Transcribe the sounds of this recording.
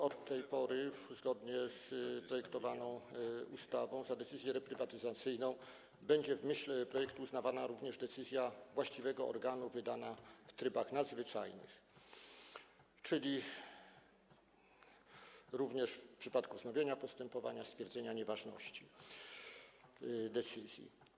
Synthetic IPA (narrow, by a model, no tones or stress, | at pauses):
ɔt̪ːɛjpɔɾɘzɡɔd̪ɲɛspɾɔjɛkt̪ɔvanɔ̃w̃ust̪avɔ̃w̃zad̪ɛt̪sɘzʲjɛɾɛpɾɘvat̪ɘzat̪sɘjnɔ̃w̃ | bɛɲd͡ʑɛvmɘɕlɛpɾɔjɛkt̪uːznavanaɾuvɲɛʐd̪ɛt̪sɘzʲjavwaɕt͡ɕivɛɡɔɔ̰ɾɡanuvɘd̪anaft̪ɾɘbaxnad̪zvɘt͡ʂa̰jnɘ̰x | t͡ʂɘlʲi | ɾuvɲɛʂfpʂɘpat̪kuznɔvʲjeɲapɔst̪ɛmpɔva̰ɲast̪fʲjɛɾd̪zɛɲaɲɛvaʐnɔ̰ɕt͡ɕi | d̪ɛt̪sɘzʲjḭ